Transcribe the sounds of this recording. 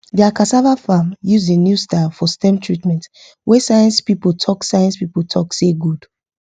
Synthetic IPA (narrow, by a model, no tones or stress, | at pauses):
diakasavafamjuzdenjustafɔstɛ̃mtʰɹitmɛ̃nt | wʔɛsajɛ̃nspipoltʰɔksajɛ̃nspipoltʰɔkseɡud̥